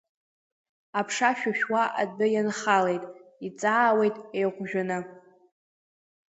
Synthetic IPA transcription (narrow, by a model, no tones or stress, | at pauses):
apʰʂaʃᶣaʃᶣwaʔa̰dbɨjanχalejtʼit͡sʼaːwe̞jtʼejʁʷʒᶣanɨ